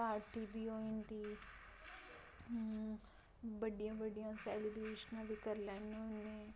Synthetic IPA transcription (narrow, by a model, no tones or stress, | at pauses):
aːɾʈiːbiːɦoːĩnd̪iː | bəɖijãːbəɖijãːsɛːlɪbɾeːʃənãːbiːkəɾlɛ̃ːnẽʊnːẽː